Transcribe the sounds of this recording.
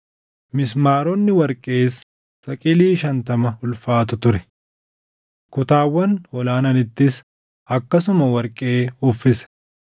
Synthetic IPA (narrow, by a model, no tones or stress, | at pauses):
mɪsmaːɾɔnːɪwɐɾkʼeːsː | ɐkʼɪliːʃɐnt̪ɐmɐhʊlfaːt̪ʊt̪ʊɾɛ̥ | kʊt̪aːwːɐnɔlaːnɐnɪt̪ːɪs | ɐkːɐsʊmɐwɐɾkʼeːʊfːɪsɛ̥